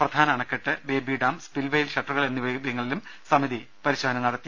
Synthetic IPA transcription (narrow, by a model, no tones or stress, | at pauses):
prɐd̪ʱaːnɐɐɳɐkːeʈːɨbeːbʱiːɖaːmspilʋejilɕɐʈːruɣɐɭe̞nːiʋebjɐŋːɐɭilumsɐmiði | pɐɾiɕoːɐnɐnɐɽɐt̪ːi